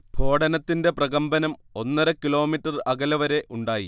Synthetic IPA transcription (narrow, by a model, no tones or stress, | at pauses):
b̥ʱo̞ːɽɐnɐt̪ːinde̞prɐɣɐmbɐnɐmo̞nːɐɾɐkːilo̞ːmiʈːɐrɐɡɐlɐʋɐɾe̞ʔʔuɳɖaːjḭ